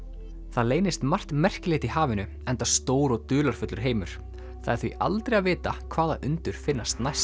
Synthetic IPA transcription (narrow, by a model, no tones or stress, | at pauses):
θaðleːjnɪst̪mar̥t̪mɛr̥cɪleːht̪ihaːvɪnʏ | ɛnt̪ḁst̪oːwɾɔɣt̪ʏːlaɾ̥fʏt̪lʏɾ̥ɦeːjmʏɾ̥ | θaaɾθviʔa̰lt̪ɾeaðvɪːt̪akʰvaːða̰ʔʏnt̪ʏɾ̥fɪnːast̪najs